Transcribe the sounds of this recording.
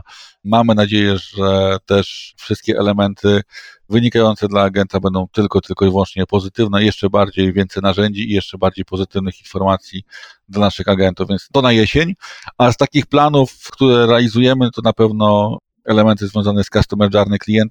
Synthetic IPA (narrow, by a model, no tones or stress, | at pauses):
mamɘnad͡ʑejɛʐɛt̪ɛʂfʂɘst̪̚kʲɛʔɛlɛmɛnt̪ʰɘvɘɲikajɔnt̪sɛd̪laːɡɛnt̪abɛnd̪ɔ̃w̃t̪ɘlkɔt̪ɘlkɔivwɔnt͡ʂɲɛpɔzɘt̪ɘvnɛjɛʂt͡ʂɛbaɾd͡ʑejvʲjɛnt̪sɛjnaʐɛɲd͡ʑiːjɛʂt͡ʂɛbaɾd͡ʑejpɔzɘt̪ɘvnɘxinfɔɾmat̪sʲjid̪lanaʂɘxaɡɛnt̪uvʲjɛnt̪st̪ɔnajɛɕeɲast̪akʲixplanufkt̪uɾɛɾɛalʲizujɛmɘt̪ɔnapɛvnɔ | ɛlɛmɛnt̪ɘzvʲjɔ̃w̃zanɛskast̪ɔmɛd͡ʐaɾnɘklʲijɛnt̪̚